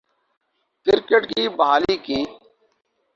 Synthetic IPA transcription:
kɪɾkəʈkiːbəɦaːliːkiː

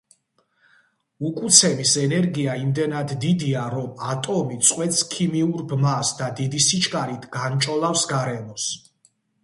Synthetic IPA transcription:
ukʼut̪sʰɛmisɛnɛɾɡiaimd̪ɛnad̪ːid̪iaɾɔmat̪ʼɔmit̪sʼqʼwɛt̪skʰimiuɾbmasd̪ad̪id̪isit͡ʃʰkʼaɾit̪ʰɡ̥ant͡ʃʼɔlˠafsɡaɾɛmɔs

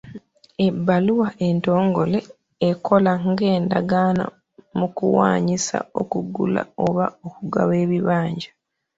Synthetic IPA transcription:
ebːaluwaʔento̞ːŋɡo̞le̞ː | kʰo̞laŋɡe̞ːndaɡana̰ | mukuwa̰ːɲisa̰o̞̰kuɡṵla̰oβaokuɡaβe̞ːβiβaːɲɟa

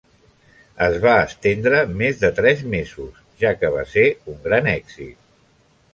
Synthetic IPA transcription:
əzβaəst̪end̪ɾəmezðət̪ɾɛzmezus | ʒakəβ̞a̰seuŋɡɾanɛɡz̥ḭt̪̚

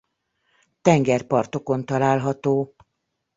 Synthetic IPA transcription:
t̪ɛŋɡɛrpɒrt̪o̞ko̞nt̪ɒlaːlɦɒt̪oː

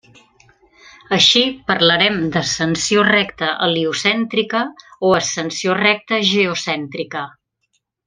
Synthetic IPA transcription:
əʃipəɾləɾɛmd̪əsənsiorɛkt̪əʔəliusɛnt̪ɾikəoəsənsiorɛk̚t̪əʒəusɛnt̪ɾikə

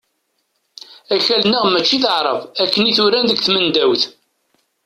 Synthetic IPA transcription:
æçælnəʁmæt͡ʃːiθəʕɾˤə̰vækːəniθʊɾænðəɡθmənd̪æwθ

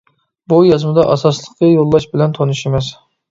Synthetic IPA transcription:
bujɑzmɨd̪ɑʔɑsɑslˠəqːɑjolˠːɑʃbɪlɛnt̪ʰonuʃemɛs

